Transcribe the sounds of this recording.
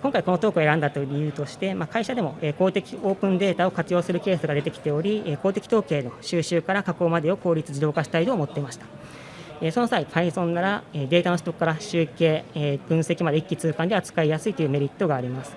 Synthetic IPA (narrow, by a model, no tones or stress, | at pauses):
kõŋkaiko̞not̪o̞ːkɯeɾãnd̪at̪oɾʲijɯ̟ːt̪o̞ɕi̥t̪e̞makaiɕad̪e̞mo̞eːko̞ːt̪e̞kʲio̞ːpɯ̟̃nd̪e̞ːt̪ao̞kat͡sɨjo̞ːsɨɾɯ̟ke̞ːsɨɡad̪e̞t̪e̞kʲi̥t̪e̞o̞ɾʲieko̞ːt̪ekʲi̥t̪o̞ːke̞ːno̞ɕɨːɕɨːkaɾakako̞ːmad̪e̞o̞ko̞ːɾʲit͡sɨd͡ʑid̪o̞ːkaɕi̥t̪ait̪oːmo̞t̪ːe̞imaɕi̥t̪ḁ | eːso̞no̞saipʰaĩsõ̞nːaɾaeːd̪e̞ːt̪ano̞ɕi̥t̪o̞kːaɾaɕɨːke̞ːb̥ɯ̟̃se̞kʲimad̪e̞ikʲːit͡sɨːkãnd̪eat͡sɨ̥kaijasɨit̪o̞jɯːme̞ɾʲit̪ːo̞ɡaːɾʲimasɨ̥